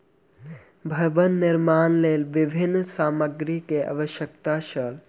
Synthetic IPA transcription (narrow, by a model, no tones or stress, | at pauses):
bʱəɾbənːɪɾmaːnleːlʋɪbʱɪnːsaːməɡɾikeʔa̰ʋəʃjəkt̪aʃəl